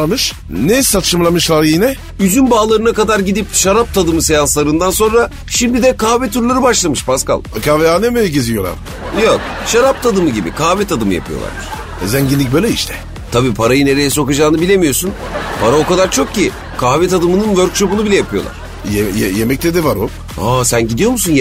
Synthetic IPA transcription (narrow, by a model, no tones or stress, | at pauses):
mɯʃ | nessat̪ʰɯ̥ʃɯmlˠamɯʃlˠaɾjinɛ | yzynbaːlˠaɾɯnakad̪aɾɟid̪ipʃaɾap̚t̪ʰad̪ɯmɯsejanslˠaɾɯnd̪anso̞nɾa | ʃimd̪id̪ɛkʰaːvɛt̪ʰuɾlˠaɾɯbaʃlˠamɯʃpʰaska̰lˠkʰaːvɛaːnːemejiɟezijo̞lˠa̰ɾ | jok | ʃaɾap̚t̪ʰad̪ɯmɯɟibḭkʰaːvɛt̪ʰad̪ɯmɯja̰pʰɯjo̞̰lˠa̰ɾd̪ɯɾ̥ | zɛɲɟinlʲːic̚bøjlʲɛiʃt̪ʰɛ̥ | t̪ʰabiːpʰaɾajɯne̞ɾe̞jɛso̞kad͡ʒaːnɯbilʲe̞mijo̞sun | pʰaɾao̞kad̪aɾt͡ʃʰok̚cːi | kʰaːvɛt̪ʰad̪ɯmɯnɯnvøɾkʃo̞punubilʲɛjapʰɯjo̞lˠa̰ɾ̥ | jejɛjemɛc̚t̪ʰɛd̪ɛvaɾo | hasænɟid̪ijo̞musun